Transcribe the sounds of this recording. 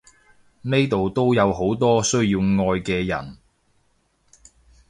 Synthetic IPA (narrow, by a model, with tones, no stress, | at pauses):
ne˥jt̪o˨wt̪o˥wjɐ˨˧wɦo˨˥wt̪ɔː˥sɵ˥ɥjiː˧wŋɔː˧jkɛː˧jɐ̰˨˩n